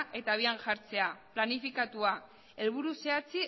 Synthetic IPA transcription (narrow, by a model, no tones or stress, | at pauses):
ʔe̞t̪aβ̞ianʝaɾt͡se̞aplanifikat̪ua | e̞lβuɾuse̞at͡si